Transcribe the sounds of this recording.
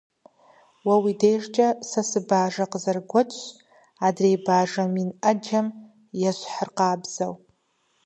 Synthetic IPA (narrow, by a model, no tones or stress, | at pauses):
wawidejʐt͡ʃʼasasɨbaːʐaqʼzarɡʷat͡ʃʰʼ | adrejbaːʐaminad͡ʒam | jaʃʷħarqaːbzaw